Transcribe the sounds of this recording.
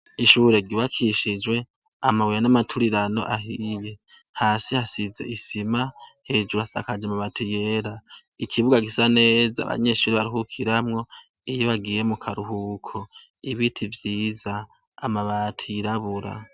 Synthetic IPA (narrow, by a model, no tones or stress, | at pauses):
iʃuːɾe̞ɡiβakʰiʃid͡ʒwe̞ | amawiɾanamatʰuɾiɾano̞̰ʔaɦije | haːsihasize̞̰isimahed͡ʒuasa̰kad͡ʒamaβatʰuje̞ɾa | ikʰiβuɡaɡisane̞ːza̰βa̰ɲe̞ʃuːɾeβaɾiɦukʰiɾamŋo̞ | ijoβaɡiːɾemukʰaɾuhukʰo | iβitʰivjiːzaː | maβatʰujiɾaβuɾa̰